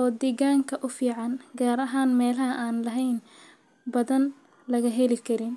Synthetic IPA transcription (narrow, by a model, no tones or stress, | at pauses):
ʔɔːd̪iːɣaːŋkʰɐʔʊfiːʕɑnɡaːɾɐɦaːnmɛːlɐɦɐʔaːnlɐɦɛjn | bɐðɐn | lɐɣɐɦɛlɪkʰɐɾɪn